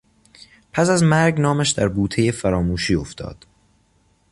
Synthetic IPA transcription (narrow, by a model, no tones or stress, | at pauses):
pʰæsæzmæɾɡnɒːmæʃd̪æɾbuːt̪ʰeje̞fæɾɒːmuːʃiːo̞ft̪ʰɒ̰ːd̪̥